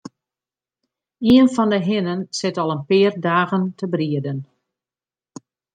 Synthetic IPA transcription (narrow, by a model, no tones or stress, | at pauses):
iənfɔndəɦɪnənsɪtɔlˠənpɪːərdaːɣəntʰəbriədən